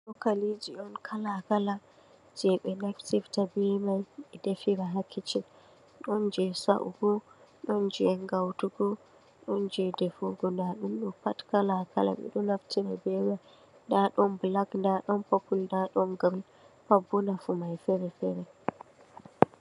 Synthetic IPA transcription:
ɗɔkalid͡ʒiʔɔnkʰalakala | d͡ʒɛɓɛnaftiftabimajɛdefiɾaɦakʰːit͡ʃɛ | ɗɔnd͡ʒɛsa̰ʔṵɡɔɗɔnd͡ʒɛɛnɡawtuɡɔ | ɗɔnd͡ʒɛdɛfuɡɔndaɗumɗɔpatkalakʰala̰ɓɛ̰ɗɔnaftiɾabɛwa | daɗɔmblaɡndaɗɔnpapuldaɗɔmɡam | pabːunafumajfɛɾɛfɛɾɛ

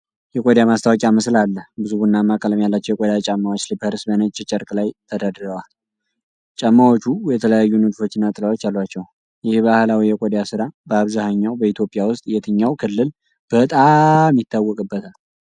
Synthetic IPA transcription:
jɛkʼod̪jamast̪ʰawɔkʼiaməslalːəhbɨzubuɨnːamːakʼələmjalːat͡ʃːɛwjɛkʼod̪jat͡ʃʼamːawot͡ʃːlipʰəɾsbənət͡ʃʼɛt͡ʃʼəɾkʼlajt̪ʰəd̪ad̪əɾəwal | t͡ʃʼamːawot͡ʃːujɛt̪ʰələjajːunɨt̪fo̞t͡ʃːɪnːat̪ʼɨlawot͡ʃːalːwat͡ʃːɛw | jɪhbahlawijɛkʷʼod̪jasɨɾabəaβzahəɲːawbəit̪ʰjo̞pʼijawʊst̪ʼjɛt̪ʰɨɲːawkʰɨlːɨl | b̥ət̪ʼamjɪt̪ʰːawːɔkʼɨbːət̪ʰal

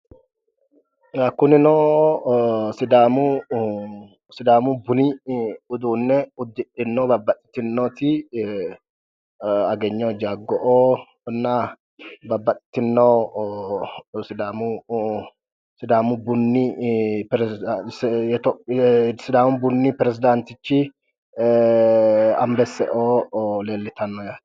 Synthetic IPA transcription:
akʊnɪnoː | sɪd̪aːmu | sɪd̪aːmubʊniʊd̪uːnːɛʊd̪ːɪᶑɪnːoːbɐbːɐt̪ʼːɪ̥t̪ːɪnːoːt̪ɪ | ɐɡɛɲːoːd͡ʒaːɡːɔʔoː | nːa | bɐbːɐt̪ʼɪ̥t̪ɪnːɐw | sɪd̪aːmʊ | sɪd̪aːmʊbʊnːɪpɾɛ | t̪ɔsɪd̪aːmʊbʊnːɪpɾɛzɪd̪ant̪ɪt͡ʃːɪ | ɐ̰mbɛsːɛ̰ʔoːleːlːɪt̪ɐnːɔjaːt̪

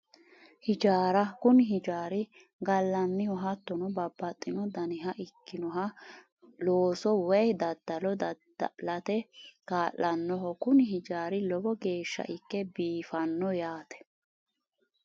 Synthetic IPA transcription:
hɪd͡ʒaːɾɐkʊnɪɦɪd͡ʒaːɾɪ | ɡɐlːɐnːɪhɔɦɐt̪ːɔnɔbɐbːɐt̪ʼːɪnɔd̪ɐnɪɦɐʔɪkːɪnɔɦɐ | loːsɔwɛjd̪ɐd̪̥ːɐlɔd̪ɐd̪lɐt̪ɛkaːʔːɐnːɔɦɔkʊnɪɦɪd͡ʒaːɾɪlɔbɔɡe̞ːʃːɐ̰ʔɪkːɛbiːfɐnːɔjaːt̪ɛ̥

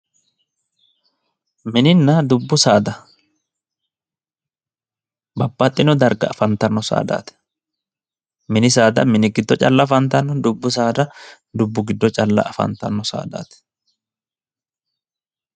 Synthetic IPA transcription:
mɪnɪnːɐd̪ʊbːʊsaːd̪ɐ | bɐbːɐt̪ʼːɪnɔd̪ɐɾɡɐ̰ːfɐnt̪ɐnːɔsa̰ːd̪a̰ːt̪ɛ̥ | mɪnɪs̬aːd̪ɐ̰mɪnɪɡɪd̪ːɔt͡ʃʼɐlːɐfɐnt̪ɐnːɔd̪ʊbːʊs̬aːd̪ɐ | d̪ʊbːʊɡɪd̪ːɔt͡ʃʼɐlːɐ̰ʔɐfɐ̰nt̪ɐ̰nːɔsa̰ːd̪a̰ːt̪ɛ̥

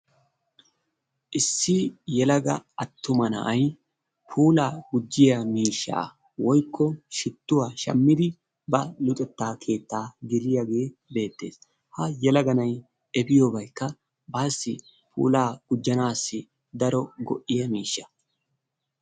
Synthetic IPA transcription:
ʔɪsːɪjɛlɐɡɐɐt̪ːʊmɐnɐ̰ʔɐj | pʰuːlaːɡʊd͡ʒːɪjɐmiːʃːa̰ː | wɔjkʰːɔʃɪt̪ːʊwaːʃɐ̰mːɪd̪ɪ | bɐlʊt̪ʼɛt̪ːaːkʰe̞ːt̪ːaːɡɪlɪjɐɡe̞ːbe̞ːt̪ːe̞ːs | hɐjɛlɐɡɐnɐj | ɛbɪjoːbɐjkːɐ | baːsːɪ | pʰṵːlaːɡ̥ʊd͡ʒːɐnaːsːɪ | d̪ɐɾɔɡɔ̰ʔɪjɐmiːʃːɐ̥

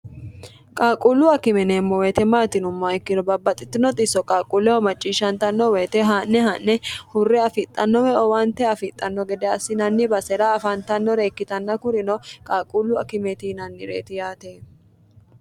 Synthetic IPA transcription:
kʼaːkʼulːʊɐkɪmɛnemːɔweːt̪ɛmaːt̪ɪnʊmːɐɪkːɪnɔbɐbːɐt̪ʼːɪt̪ːɪnɔt̪ʼɪsɔkʼaːkʼulːɛhɔmɐt͡ʃʼːiːʃːɐnt̪ɐnːɔweːt̪ɛɦanːɛɦɐnːɛhʊrːɛɐfɪt̪ʼːɐnːɔmɛɔwɐnt̪ɛɐfɪt̪ʼːɐnːɔɡɛd̪ɛɐsːɪnɐnːɪbɐsɛɾɐɐfɐnt̪ɐnːɔɾeːkːɪt̪ɐnːɐkʊɾɪnɔkʼaːkʼulːʊɐ̰kɪmɛt̪inɐnːɪɾḛːt̪ɪjaːt̪eː

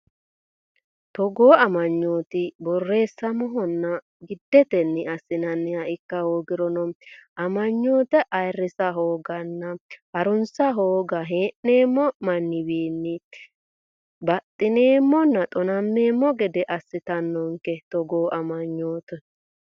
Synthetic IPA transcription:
t̪ɔɡo̞ːɐmɐɲːo̞ːt̪ɪbɔrːe̞ːsːɐmɔɦɔnːɐ | ɡɪd̪ːɛt̪ɛnːɪɐsːɪnɐnːɪɐɪkːɐhoːɡɪɾɔnɔmɐmɐɲːoːt̪ɛʔɐjrːɪsɐɦo̞ːɡɐnːɐhɐɾʊnsɐɦo̞ːɡɐɦeːʔne̞ːmːɔmɐnːɪbiːnːɪ | bɐt̪ʼːɪne̞ːmːɔnːɐt̪ʼɔnɐmːeːmːɔɡɛd̪ɛʔɐsːɪt̪ɐnːɔŋkɛt̪ɔɡoːʔɐmɐɲːoːt̪ɛ

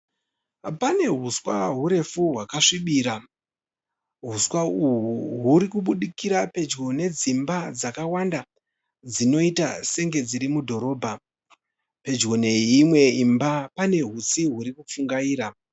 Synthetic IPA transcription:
pane̞ɦuswa̰ɦuɾe̞fuɦwakaʂiɓiːɾa | ɦuswauɦuɦuɾikuɓuɗikiɾape̞d͡ʒɡo̞ne̞d͡zimbad͡zakawanda | d͡zino̞itase̞ŋɡe̞d͡ziɾimudʱo̞ɾo̞ːbʱa | pe̞d͡ʒɡo̞ne̞imwe̞imbapane̞ɦusiɦuɾikup͡fuŋɡaiːɾa

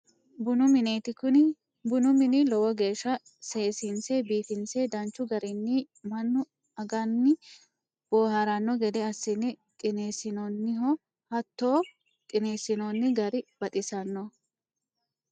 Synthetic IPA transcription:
bʊnʊmɪneːt̪ɪkʊn | bʊnʊmɪnɪlɔwɔɡe̞ːʃːɐ | seːsinseːbiːfɪnseːd̪ɐnt͡ʃːʊɡɐɾɪnːɪ | mɐnːʊ | ɐɡɐnːɪ | b̥o̞ːhaɾɐnːɔɡɛd̪ɛɐsːɪnːɪt̪ʼɪneːsɪnɔnːɪɦɔ | hɐt̪ːo̞ː | k̪ʼɪneːsɪnonːɪɡɐɾɪb̥ɐt̪ʼɪsɐnːɔ

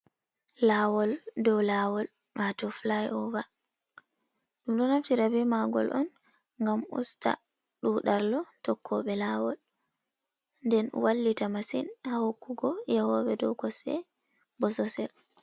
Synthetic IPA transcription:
lawɔldɔlawɔlmatɔflajɔba | ɗumɗɔnaftiɾabɛmaɡɔ̰lʔɔn | ŋɡamṵsta̰ | ɗuɗaɾlɔtɔkʰːɔɓɛlawɔ̰l | ndɛnwalːitamasinhahokːuɡɔjahɔɓɛdɔ̰wɡɔsɛ̰ | bɔsɔsɛ̰l

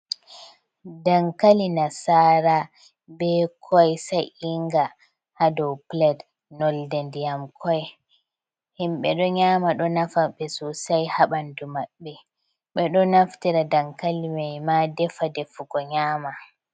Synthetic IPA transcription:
daŋkalinasaɾa | bɛkʰɔjsajiŋɡa | hadɔwplɛd | nɔldɛndjamkʰɔj | himɓɛɗɔɲaːmaɗɔnafaɓɛsusajhaɓandumaɓːɛ | ɓɛɗɔnaftiɾadaŋkalimajmadɛfadɛfuɡɔɲaːma

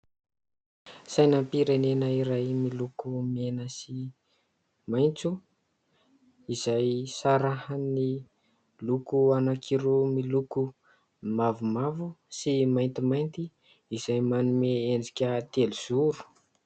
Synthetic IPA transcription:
sajnampiɾenenəiɾajmilukumienəsi | majnt͡su | iz̥ajsaɾahani | lukuanakʰiɾomiluku | mavumavusimajnt̪imajnt̪i | iz̥ajmanumeend͡zikʲət̪eliz̥uɾu̥

